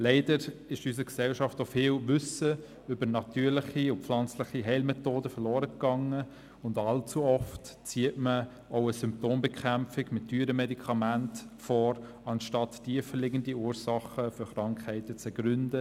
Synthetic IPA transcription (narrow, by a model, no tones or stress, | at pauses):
lɛɪdəɾɪʃys̬əksɛlʃɑftofɪːlʋʏsə | ʏbəɾnɑtyːɾlɪχiʊflɑnt͡slɪχiɦɛɪlmɛtoːdəfɛɾlɔːɾəkɡɑŋə | ʊndɑlt͡suɔftt͡siətmə | oʊəsʏmp̚toːmbɛkχæmfɪɡmɪtdyːɾəmɛdikʰɑmæntfɔːɾ | ɑnʃtɑtd̥iəfəlɪɡəndiuːəɾsɑχəføɾχɾɑŋkhɛɪtət͡sɛɡɾʏndə